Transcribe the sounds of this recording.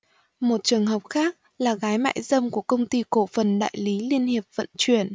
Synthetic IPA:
mo˨˩t̚t͡ɕɨ˨˩əŋɦə˨˩wk͡p̚xaː˦˥k̚ | laː˨˩ɣaː˨˦jma̰ː˧˨jzə˧mku˧˩əkə˧wŋ͡mt̪i˧ko̰˧˩fə˨˩nɗa̰ː˧˨jli˨˦li˧ənhi˨˩əp̚və̰˧˨nt͡ɕwi˧˩ən

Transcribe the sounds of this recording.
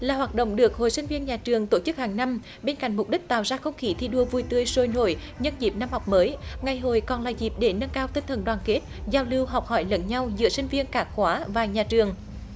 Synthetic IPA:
laː˨˩waː˨˩t̚ɗo̰˧˨wŋ͡mɗɨ˨˩ək̚ho̰˨jsi˧ŋ̟vi˧ənɲaː˨˩t͡ɕɨ˨˩əŋt̪o˧˩t͡ɕɨ˦˥k̚haː˨˩ŋna˧m | ɓe˧nka̰˧˨jŋ̟mʊ˨˩k͡p̚ɗi˦˥k̚t̪a̰ː˧˨wzaː˧xə˧wŋ͡mxi˨˦t̪ʰi˧ɗu˧əvu˨˩jt̪ɨ˧˩əjso˧˩jno̰˧˩˨j | ɲə˧nzi˨˩p̚na˧mha˨˩wk͡p̚məː˨˦jŋa˨˩jɦo˨˩jkɔ˨˩nlaː˨˩zi˨˩p̚ɗe˧˩nə˧nkaː˧wt̪i˧nt̪ʰə˨˩nɗwaː˨˩nke˦˥t̚zaː˧˩wlɨ˧əwɦa˨˩wk͡p̚hɔ˧˩jlə̰˧˥nɲa˧wzɨ̰˧˥əsï˧ŋ̟vi˧ənkaː˧˩xwaː˨˦vaː˨˩ɲaː˨˩t͡ɕɨ˨˩əŋ

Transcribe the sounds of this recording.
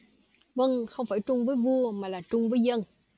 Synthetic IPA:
və˧ŋxə˧wŋ͡mfaː˧˩jt͡ɕʊ˧ŋ͡mvəː˨˦jvu˧əmaː˨˩laː˨˩t͡ɕʊ˧ŋ͡mvəː˨˦jzə˧n

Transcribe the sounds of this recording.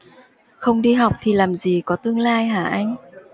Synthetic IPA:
xə˧wŋ͡mɗi˧ɦa˨˩wk͡p̚t̪ʰi˨˩laː˨˩mzi˨˩kɔ˨˦t̪ɨ˧əŋlaː˧jɦaː˧˩ʔa˧jŋ̟

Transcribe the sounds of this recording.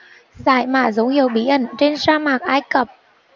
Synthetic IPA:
za̰ː˧˩˨jma̰ː˧˩zə˨˦whi˨˧˩əwɓi˧˩ʔə˧˩nt͡ɕe˧nsaː˧maː˨˩k̚ʔaː˧jkə˨˩p̚

